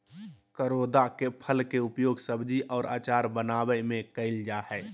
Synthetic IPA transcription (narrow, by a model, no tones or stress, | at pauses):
kəɾoːd̪akepʰəlkeʊpjoːɡsəbd͡ʒiʔɔːɾa̰ːt͡ʃaːɾbənaːbəɪmẽkəɪld͡ʒahɛː